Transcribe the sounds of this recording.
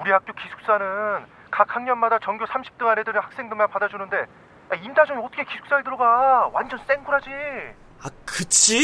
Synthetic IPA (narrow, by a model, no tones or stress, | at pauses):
uɾihak̚k͈jokisʰu̥k̚s͈anɯn | kak̚haŋɲʌnmadat͡ɕʌŋɡjosʰamɕʰi̥p̚t͈ɯŋanedɯɾɯnhḁk̚s͈e̞ŋdɯmanpadad͡ʑunɯnde̞ | aintʰad͡ʑʌŋiʌt͈ʰʌkʰekisʰu̥k̚s͈aiɭdɯɾʌɡawand͡ʑʌns͈e̞ŋɡuɾɦad͡ʑi | akɯt͡ɕʰi